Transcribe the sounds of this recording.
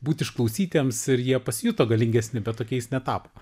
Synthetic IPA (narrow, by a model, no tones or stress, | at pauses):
buːt̪ʲɪʃklˠɔʊsʲiːt̪ʲeːmsɪɾjiɛpɐsʲjʊt̪oːɡɐlʲɪŋʲɡʲɛsʲnʲɪbʲɛt̪̚toːkʲɛɪsnʲɛt̪ɑːpoː